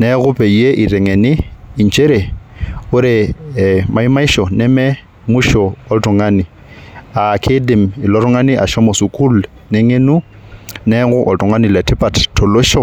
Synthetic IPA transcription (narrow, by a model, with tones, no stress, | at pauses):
nɛɣʊ˦pʰʼe˨i˨e˦ʔi˨ɾɛ˨ŋɛ˨nɪ˦i˨n˨t͡ʃʰʼe˦ɾe˨ʊ˦ɾɪ˨ | ma˨i˦ma˦i˦ʃɔ˨nɛ˦mɛ˦ | mʊ˦ʃɔ˨ɔ˦ltʼɔ˨ŋanɪ˨ | a˨kʰe˦dɪ˨mɪ˨lɔ˦ɾɔ˦ŋa˦nɪ˦ʔa̰˨ʃɔ˦mɔ˨su˨kʼu˦l | nɛ˦ŋe˦nu˦ | nɛ˦ɣʊ˦ʔɔ̰˨tʼɔ˨ŋa˦ni˨lɛ˨tʰɪ˦pʼa˨tʰtʰɔ˨lo˦ʃɔ˦